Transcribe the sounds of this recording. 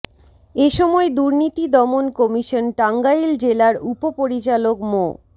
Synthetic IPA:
eʃɔmɔed̪uɾnit̪id̪ɔmonkɔmiʃonʈaŋɡajild͡ʑelaɾupopoɾit͡ɕalokmo̰

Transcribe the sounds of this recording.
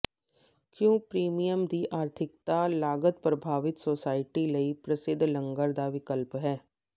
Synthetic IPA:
kjõːpɾiːmijəmd̪iʔaːɾt̪ʰɪkt̪alaːɡət̪̚pɾɐbʱaːʋɪt̪soːsaːɪʈilɐipɾɐsɪd̪ʱːlə̃ŋɡəɾd̪aʋɪkəlpɦɛː

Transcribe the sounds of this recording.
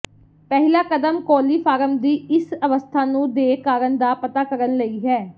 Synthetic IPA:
pɛɦɪlaːkəd̪əmkoːliːfʰaːɾəmd̪iːɪsəʋəst̪ʰaːnũːd̪eːkaːɾəɳd̪aːpət̪aːkəɾənləiːɦɛː

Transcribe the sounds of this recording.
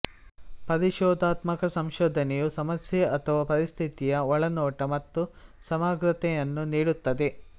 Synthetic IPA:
pɐɾiʃɔːd̪ʱaːt̪mɐkɐsɐmʃɔːd̪ʱɐnɛjusɐmɐsjɛʔɐt̪ʰɐʋaːpɐɾist̪ʰit̪ijɐɔɭɐnɔːʈɐmɐt̪ːusɐmaːɡɾɐt̪ɛjɐnːuniːɽut̪ːɐd̪e

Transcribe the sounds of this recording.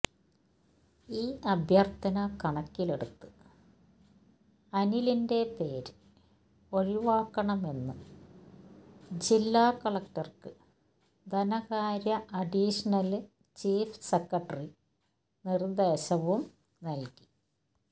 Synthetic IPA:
iːʔɐbʱjɐrt̪ɐnɐkɐɳɐkːile̞ɽut̪ːɨ | ɐnilinde̞pe̞ːɾ | o̞ɻiʋaːkːɐɳɐme̞nːɨ | d͡ʑilːaːkɐɭɐk̚ʈɐrkɨ | d̪ʱɐnɐɣaːɾjɐʔɐɖiʂɐnɐl | t͡ɕiːfsekːɐʈːɐri | nird̪eːɕɐʋum | nɐlki̥

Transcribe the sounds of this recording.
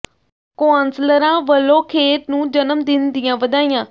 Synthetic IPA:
koansləɾãːʋəlːõːkʰeːt̪nũːd͡ʒənəmd̪ɪnd̪ɪjãːʋəd̪aːijãː

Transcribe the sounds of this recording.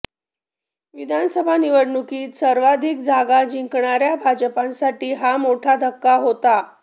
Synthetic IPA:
ʋid̪ʱansəbʱaniʋəɽɳukiːt̪səɾʋad̪ʱikd͡zʱaɡad͡ʑiŋkɳaɾjabʱad͡ʑəpãnsaʈiːɦamoʈʰad̪ʱəkːaɦot̪a

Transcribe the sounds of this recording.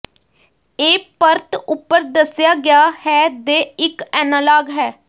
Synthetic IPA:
eːpəɾt̪ʊpːəɾd̪əsɪjaːɡɪjaːhɛːd̪eːɪkɛːnalaːɡɦɛː

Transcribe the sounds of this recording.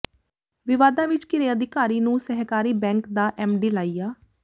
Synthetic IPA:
ʋɪʋaːd̪ãːʋɪt͡ʃkɪɾeːəd̪ɪkaːɾiːnũːsɛɦkaːɾiːbɛ̃ːŋkd̪aːʔɛːmɖiːlaːiːjaː

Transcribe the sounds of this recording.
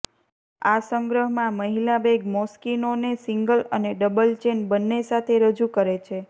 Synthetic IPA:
asəŋɡɾəɦmãməɦilabeɡmɔskinonesiŋɡələneɖəbəlt͡ʃenbənːesat̪ʰeɾəd͡ʒukəɾet͡ʃʰe

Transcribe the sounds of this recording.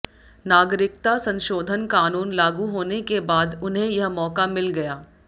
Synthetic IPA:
naːɡɾɪk̚t̪asɐ̃nʃoːd̪ʱənkaːnuːnlaːɡuɦoːnekebaːd̪ʊnɦẽjɐɦmɔːkamɪlɡɐjaː

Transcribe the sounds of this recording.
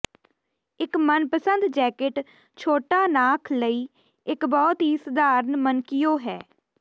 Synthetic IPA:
ɪkmənpəsənd̪d͡ʒɛːkɪʈ | t͡ʃʰoːʈaːnaːkʰləiː | ɪkbɔːt̪iːsd̪aːɾnmənkɪjoːɦɛ̰ː

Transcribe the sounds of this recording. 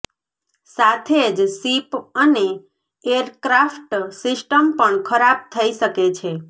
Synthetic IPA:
sat̪ʰed͡ʒsipəne | eɾkɾafʈsisʈəmpəɳkʰəɾab̚t̪ʰəiʃəket͡ʃʰe

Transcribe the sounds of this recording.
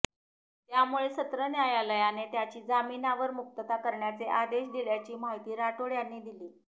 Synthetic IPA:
t̪jamuɭesət̪ɾənjajaləjanet̪jat͡ɕiːd͡zaminaʋəɾmuk̚t̪ət̪akəɾɳjat͡seʔad̪eɕd̪iɭjat͡ɕiːmaɦit̪iːɾaʈoɭjanːiːd̪iliː

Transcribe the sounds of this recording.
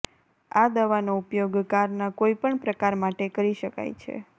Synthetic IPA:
ad̪əʋanoupjoɡkaɾnakoipəɳpɾəkaɾmaʈekəɾiʃəka̰jt͡ʃʰḛ

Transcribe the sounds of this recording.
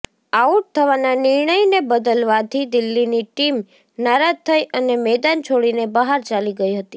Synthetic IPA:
auʈ̚t̪ʰəʋananɪɾɳəjnebəd̪əlʋat̪ʰid̪ɪlːiniʈim | naɾad͡ʒt̪ʰəjʔənemɛd̪ant͡ʃʰoɽinebəɦaɾt͡ʃaliɡəiɦət̪i̥

